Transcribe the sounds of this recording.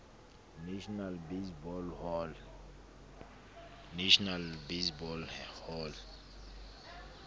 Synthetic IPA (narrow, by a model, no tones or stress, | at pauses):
nʃnalbesbɔll | neʃɔnalbesbɔlhɔl